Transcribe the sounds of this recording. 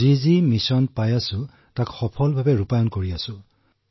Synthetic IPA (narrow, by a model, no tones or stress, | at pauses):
izimisɔnpajasʊ̃ | takxɔpʰɔlbʱabɛɹupajɔnkoɹiasʊ̃